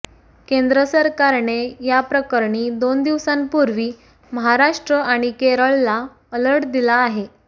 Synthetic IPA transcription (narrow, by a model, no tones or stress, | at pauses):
kend̪ɾəsəɾkaɾɳejapɾəkəɾɳiːd̪ond̪iʋsãnpuɾʋiː | məɦaɾaʂʈɾəʔaɽ̃ikeɾəɭːa | ələɽd̪ilaːɦe